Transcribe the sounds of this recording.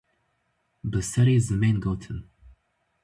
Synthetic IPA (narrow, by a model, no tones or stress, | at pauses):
bəsɛɾizəmẽnɡotʰən